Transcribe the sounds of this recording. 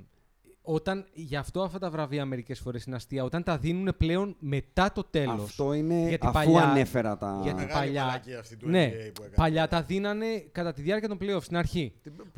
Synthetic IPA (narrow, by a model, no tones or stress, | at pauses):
o̞t̪ɐnʝɐːft̪o̞ɐft̪ɐt̪ɐvɾɐviɐme̞ɾice̞sfo̞ɾe̞sineɐst̪iɐo̞t̪ɐnt̪ɐðinune̞ple̞o̞nme̞t̪ɐt̪o̞t̪e̞llo̞fst̪oineʝɐt̪ɐpɐʎuɐnefeɾɐt̪ɐ̰ɣɐipɐʎɐne̞pɐʎɐt̪ɐðinɐne̞kɐt̪ɐt̪iðjɐɾciɐt̪ompleost̪inɐɾçi